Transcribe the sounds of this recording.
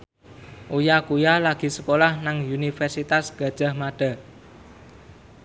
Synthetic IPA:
ʔojakujalaɡ̥i̤səkolahnaŋunifɛrsit̪asɡ̥ä̤d̥ʒ̥a̤hmaɖ̥a̤

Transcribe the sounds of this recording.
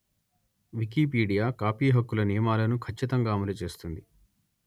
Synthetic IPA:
ʋik̬ipiːɽijaːkaːpiːɦɐkːulɐnijɐmaːlɐnukʰɐt͡ʃːit̪ɐŋɡaːmɐlut͡ʃe̞ːst̪und̪i

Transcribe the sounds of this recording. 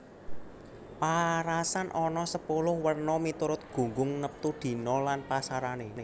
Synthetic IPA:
paɾasanʔɔnɔsəpulʊhwərnɔmit̪uɾʊt̪̚ɡ̥ṳŋɡʊŋnəp̚t̪ud̪̥i̤nɔlanpasaɾanene

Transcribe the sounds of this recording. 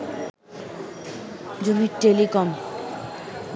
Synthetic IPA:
d͡ʑomiɾʈelikɔm

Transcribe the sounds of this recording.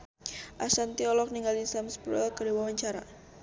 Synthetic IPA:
ʔasant̪iɔlɔk̚niŋɡalinsamspuɾalkədiwawaɲt͡ʃaɾa

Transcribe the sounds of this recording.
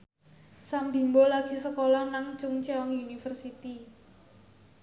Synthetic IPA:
sambi̤mbolaɡ̥i̤səkolɔnaŋt͡ʃʊŋt͡ʃeɔŋjunifərsit̪i

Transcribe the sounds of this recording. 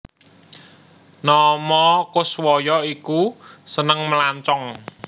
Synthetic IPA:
nɔmɔkʊswɔjɔikusənəŋməlaɲt͡ʃɔŋ

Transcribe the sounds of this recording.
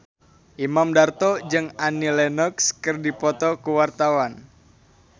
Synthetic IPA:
ʔimamdart̪ɔd͡ʒɨŋanilɛnɔkskərdipɔt̪ɔkuwart̪awan

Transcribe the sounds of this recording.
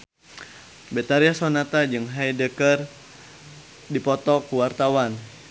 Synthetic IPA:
bɛt̪aɾiasonat̪ad͡ʒɨŋɦajdəkər | dipɔt̪ɔkuwart̪awan

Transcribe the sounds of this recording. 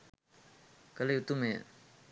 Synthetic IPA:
kalejut̪uʔmeʔ

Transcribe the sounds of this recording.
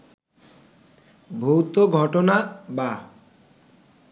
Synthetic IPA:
bʱowt̪oɡʱɔʈonaba

